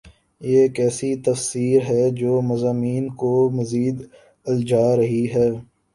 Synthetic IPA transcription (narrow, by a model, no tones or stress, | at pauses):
jeːkɛːsit̪ɐfsiːɾɦɛd͡ʒoːmɐzaːmiːnkomɐziːd̪ | ɐld͡ʒaːɾɐɦiɦɛː